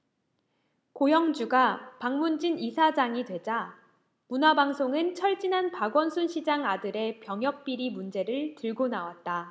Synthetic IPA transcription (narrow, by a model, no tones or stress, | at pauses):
kojʌŋd͡ʑuɡapaŋmund͡ʑinisʰad͡ʑaŋidwe̞d͡ʑa | munabaŋsʰoŋɯnt͡ɕʰʌɭt͡ɕ͈inɦanpaɡwʌnsʰunɕʰid͡ʑaŋadɯɾe̞pjʌŋɦjʌk̚p͈iɾimund͡ʑe̞ɾɯɭtɯɭɡonawat̚t͈a